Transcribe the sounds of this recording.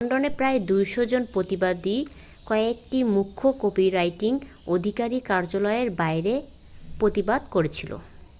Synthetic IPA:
ɳɖonepɾaed̪ujʃod͡ʑonpɾot̪ibad̪i | kɔek̚ʈimukʰːokopiɾajʈiŋ | od̪ʱikaɾikaɾd͡ʑolɔeɾbaeɾe | pɾot̪ibad̪koɾet͡ɕʰilo̰

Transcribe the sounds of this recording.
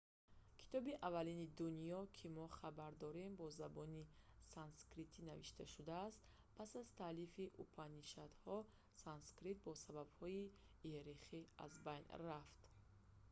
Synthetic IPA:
kʰi̥t̪ʰɔbiʔavalinid̪unijɔkʰimɔχabaɾd̪ɔɾembɔzabɔnisanskɾit̪ʰinavḭʃt̪ʰaʃud̪aːst̪ | pʰasazt̪ʰalifiʔupʰaniʃat̪hɔ | sanskɾit̪̚bɔsababhɔi | iɾiχia̰zbajnraft̪

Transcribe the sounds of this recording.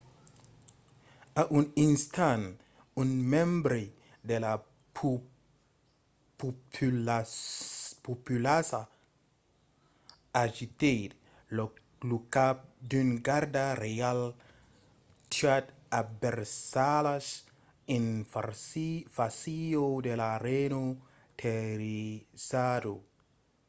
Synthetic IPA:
aʔuninst̪an | unmɛ̃mbɾi | d̪ela | p | pupylasa | aʒit̪et̪ | lukap̚d̪ynɡaɾdaɾeal | tat | abeɾsalas | in | fasiodelaɾeno | t̪ʰeɾisado

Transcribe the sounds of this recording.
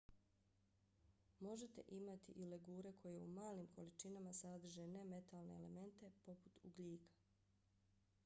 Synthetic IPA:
mo̞ʒe̞t̪e̞̰ʔimat̪ḭʔile̞ɡuːɾe̞kʰo̞je̞umaːliːmkʰo̞lit͡ʃinamasad̪r̩ʒene̞me̞t̪alˠne̞ele̞̰me̞nt̪e̞po̞put̪uɡliːkḁ

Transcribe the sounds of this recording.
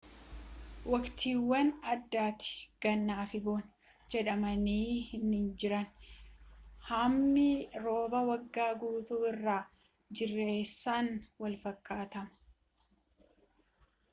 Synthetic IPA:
wɐkt̪ʰiːwːɐnɐd̪ːaːt̪ɪ̥ɡ̥ɐnːaːfɪboːn | d͡ʒɛᶑɐmɐniːhɪnɪnd͡ʒɪɾɐn | hɐmːiɾo̞ːbɐwɐɡːaːɡuːt̪uːɪrːaː | d͡ʒɪrːe̞ːsːaːnwɐlfɐkːaːt̪ɐmɐ̥

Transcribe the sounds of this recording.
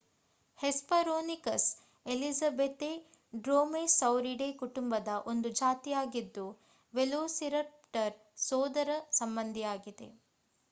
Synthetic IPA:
hespɐɾoːnikɐs | elisɐbet̪e | ɖɾoːmesɐwɾiɖeːkuʈumbɐd̪ɐʔo̞nd̪ud͡ʒaːt̪ijaːɡid̪ːu | ʋeloːsiɾɐp̚ʈɐɾ | sɔːd̪ɐɾɐsɐmbɐnd̪ʱijaːɡid̪e̞̰

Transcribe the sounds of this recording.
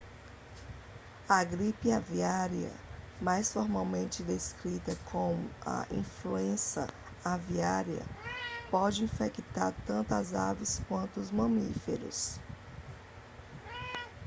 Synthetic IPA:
ɐɡɾipiaviaɾiɐ̰majsfoɾmawmẽnt͡ʃɪd̪eskɾit̪ɐkʰõmʊɐ̰ʔĩfluẽsɐ̰ | aviaɾiɐ̰pɔd͡ʒɪĩfekit̪aɾt̪ɐ̃nt̪ɐzavɪskwɐ̃nt̪ʊːzmɐ̃mifeɾʊ̰s

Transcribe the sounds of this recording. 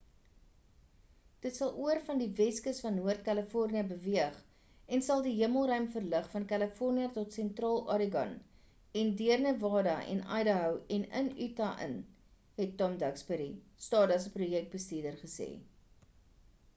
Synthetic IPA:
d̥ətsɐlˠuərfɐndivɛskəsfɐnːuərt̚kæləfɔrniəbəviəχ | ɛnsɐlˠdiɦiəməlˠɾœɥmfərləχfɐnkæləfɔrniətɔtsɛntrɑːlˠɑɾiɡɐ̰n | ɛndiərnəvɑːdɐʔɛ̰nɐ̰jdəɦœwɛnə̰nytɐʔə̰n | ɦɛtːɔmdɐkspəɾi | stɑːdɐsəprujɛk̚t̚bəstiədərχəsḛː

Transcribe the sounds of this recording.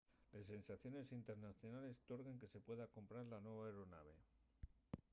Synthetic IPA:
lesːe̞nsaθjo̞ne̞sint̪e̞ɾnaθjonale̞st̪o̞ɾɣe̞ŋke̞se̞pwe̞ðako̞mpɾaɾlanwe̞βaeɾo̞na̰β̞e̞

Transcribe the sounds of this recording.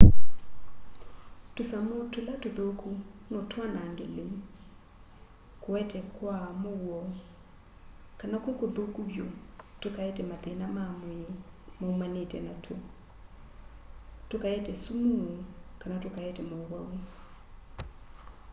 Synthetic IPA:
tosamotolatoðokunɔtwanaŋɡelem | kowɛtɛkwamowɔ | kanakokoðokuβjotokaɛtɛmaðɛnamamomaumanetɛnatʰwo | tokaɛtɛsumuokanatokaɛtɛmowawu

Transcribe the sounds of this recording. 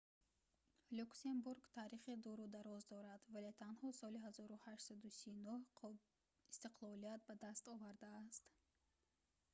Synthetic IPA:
luksembuɾɡt̪ʰaːɾiχed̪ɔɾud̪aɾɔzd̪ɔɾad̪valet̪ʰanhɔsɔliɦazɔɾuhaʃsad̪usijunuh | ist̪iqlɔliat̪̚bad̪ast̪ɔvaɾd̪aːst̪

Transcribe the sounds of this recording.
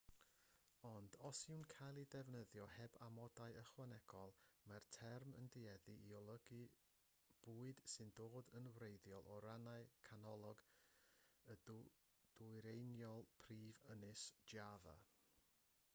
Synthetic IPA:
ɔndɔsɪwnkʰajlˠidɛvnəðjɔhɛbamɔdaɨəχwanɛɡ̥ɔlˠmartʰɛrmə̰ndiɛðɨʔiɔlˠəɡi | b̥uːɨd̥sɨndoːdənwrejðjɔlˠʔɔɾanaɨkʰanɔlˠɔɡ | ə | d̥ujɾejnjɔlˠpʰriːvənɨsd͡ʒjava̰

